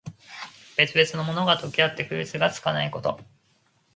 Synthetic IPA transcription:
b̥e̞t͡sɨbe̞t͡sɨno̞mo̞no̞ɡat̪o̞kʲiat̪ːe̞ɸɯ̟it͡sɨɡat͡sɨ̥kanaiko̞t̪o̞̰

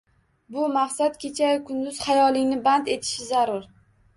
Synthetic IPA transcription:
bʊmaqsat̪kʲʰe̞t͡ʃʰakʰʊnd̪ʊz̥hajɒlˠɪŋnɪbant̪e̞t̪ʰɪ̥ʃɪzaɾʊɾ

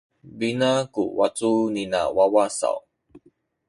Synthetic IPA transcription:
binakṵwat͡sunina̰wawasa̰w

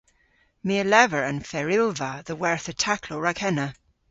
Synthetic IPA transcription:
miəlɛvəɹə̃nfɛɹɪlˠvəðəwɛɹθətʰakʰlɔɹakʰɛnə

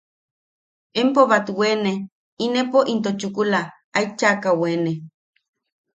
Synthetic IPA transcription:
empoβat̪wene | inepoʔint̪ot͡ʃukula | ajt͡ʃakawene

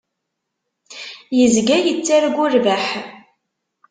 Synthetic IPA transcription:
jəzɡæjət͡sːaɾɡʊɾvaħ

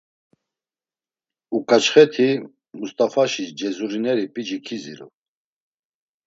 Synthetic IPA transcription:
ukʼat͡ʃʰχɛt̪ʰi | must̪ʼafaʃid͡ʒɛzuɾinɛɾipʼid͡ʒikʰizḭɾṵ

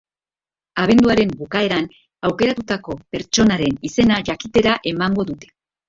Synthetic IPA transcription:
aβ̞e̞nd̪uaɾe̞mbukae̞ɾan | awke̞ɾat̪ut̪ako̞pe̞ɾt͡ʃo̞naɾe̞nise̞naʝakit̪e̞ɾaʔe̞maŋɡo̞ðut̪e̞̥

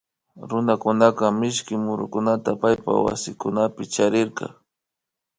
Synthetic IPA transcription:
ɾʊnakʊnakamɪʃkɪmʊɾʊkʊnat̪apajpa̰wa̰sɪkʊnapɪt͡ʃaɾɪɾqɑ̰

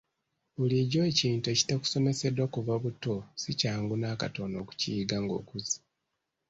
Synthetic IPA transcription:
βuliɟo̞eciːnteci̥taku̥so̞ne̞se̞dwakuvaβutosicaːŋɡunaːka̰tono̞ku̥ciɡaŋɡo̞̰ːkuzi̥

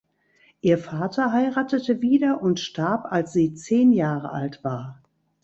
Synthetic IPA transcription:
ʔiːɐfaːtʰɐɦaɪʁaːtətəviːdɐʔʊntʃtaɐpalsz̥iːt͡seːnjaːʁəʔa̰ltv̥aːɐ

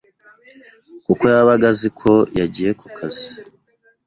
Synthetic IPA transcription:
kukojaβaɡazikʰo̞jaɟije̞kukʰazi

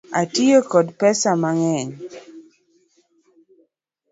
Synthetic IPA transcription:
atiokodpɛsamaŋɛɲ

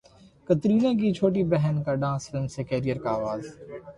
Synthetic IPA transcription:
kɐt̪ɾiːlãːk̬it͡ʃʰoːʈ̬ibɛɦənkaɖãːnsfɪlmsekɛːɾijəɾkaːʋaːz

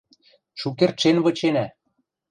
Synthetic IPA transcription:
ʃukert̪ʃenβɤ̆t͡ɕenæ

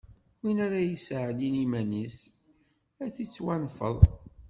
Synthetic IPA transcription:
winæɾajisʕəlinimænis | æθit͡sːwænfə̰ðˤ

